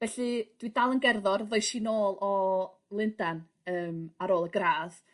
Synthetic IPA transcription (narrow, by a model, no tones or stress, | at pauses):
vɛɬɨd̥widalˠənɡɛrðɔrðojʃinoːlˠɔ | lˠɪndan | əːmaɾoːlˠəɡraːð